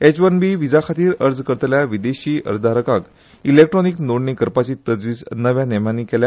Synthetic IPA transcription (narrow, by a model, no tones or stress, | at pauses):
et͡ɕʋənbiʋid͡zakʰat̪iːɾəɾd͡zkəɾt̪ljaʋid̪eɕiːə̰ɾd̪ʱaɾəkãk | ilek̚ʈɾɔniknoɽnikəɾpat͡ɕiːt̪əd͡zʋiːd͡znəʋjanem̤aniːkɛlja